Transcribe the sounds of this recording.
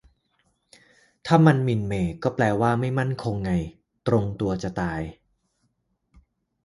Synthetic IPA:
t̪ʰaː˥˩ma˧nmi˨˩nmeː˨˩kɔː˥˩plɛː˧waː˥˩ma˥˩jma˥˩nkʰo˧ŋːa˧j | t̪ɾo˧ŋt̪u˧ɐt͡ɕa˨˩t̪aː˧j

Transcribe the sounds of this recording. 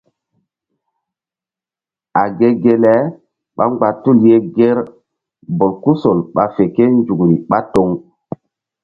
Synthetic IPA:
a˨ɡe˦ɡe˦lɛ˦ | ɓa̰˦ŋɡ͡ba˨tu˦˨lje˦ɡe˦ɾ | bo˨lku˦so˨lɓa˨fe˨ke˦nd͡ʒu˨kɾi˨ɓa˦to˦ŋ

